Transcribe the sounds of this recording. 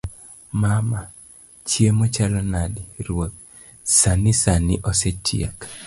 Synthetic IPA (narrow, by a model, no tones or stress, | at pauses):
mama | t͡ʃjemɔt͡ʃalɔnadiɾwot̪̚ | sanɪsanɪʔɔsetʰiḛk